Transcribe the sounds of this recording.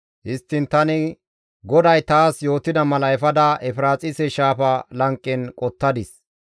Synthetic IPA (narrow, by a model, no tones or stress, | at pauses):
ʔɪst̪ːɪnt̪ɐnɪ | ɡɔd̪ɐjt̪aːsjo̞ːt̪ːɪd̪ɐmɐlɐɛfɐd̪ɐʔɛfɪɾaːt͡sʼɪsɛʃaːfɐlɐŋkʼːɛnkʼɔt̪ːɐd̪ɪs